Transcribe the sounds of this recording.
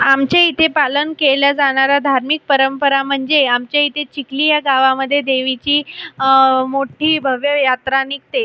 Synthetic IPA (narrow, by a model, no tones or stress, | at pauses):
amt͡ɕeit̪ʰepalənkeləd͡zaɽ̃aɾad̪ʱaɾmik̚pəɾəmpəɾam̤əɳd͡zeamt͡ɕjait̪ʰet͡ɕiklijaɡaʋaməd̪ʱːjed̪eʋit͡ɕiː | moʈʰiːbʱəʋjəjat̪ɾanik̚t̪e